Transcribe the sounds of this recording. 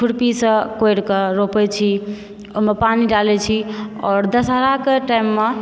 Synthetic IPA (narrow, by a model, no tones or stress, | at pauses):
kʰuɽpisə̃kojɽkeɾopɛt͡ʃʰi | omepaniɖalɛt͡ʃʰiɔːɾd̪əsɦaɾakeʈajmːe